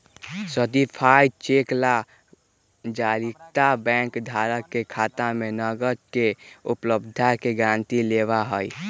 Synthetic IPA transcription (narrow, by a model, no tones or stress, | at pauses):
sət̪ipʰaːit͡ʃeːkla | d͡ʒaːɾikt̪abɛ̃ːŋkd̪ʱaːɾəkːekʰaːt̪amẽnəɡəɾkeʊpləb̚d̪ʱakeɡɾãnt̪ileʋaɦəi